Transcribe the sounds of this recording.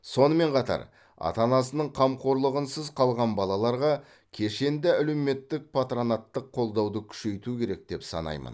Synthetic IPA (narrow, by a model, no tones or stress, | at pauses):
so̞nəme̞ɴqʰɑt̪ɑ̰ɾ | ɑ̰t̪ɑnɑsənəɴqʰɑmqʰo̞ɾlˠəʁənsəzqʰɑlˠʁɑnbɑlˠɑlˠɑɾʁɑ | kʲʰe̞ʃe̞nd̪ɪælewme̞t̪ːɪk̚pʰat̪ɾonat̪ːəqʰːo̞lˠd̪ɑwd̪əkʲʰʏ̥ʃe̞jt̪ukʲʰe̞ɾe̞k̚d̪̥e̞psɑ̰nɑ̰jmə̰n